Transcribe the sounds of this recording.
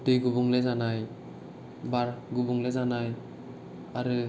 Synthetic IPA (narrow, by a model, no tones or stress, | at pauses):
dɯjɡubuŋlezanaj | baɾɡubuŋlezanaj | aɾɯ